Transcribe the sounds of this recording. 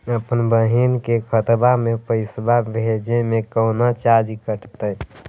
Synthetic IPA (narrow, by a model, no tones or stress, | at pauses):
əpənbəɦinkekʰət̪bamepəɪsbabʱed͡ʒemekəʊnat͡ʃad͡ʒikəʈt̪əj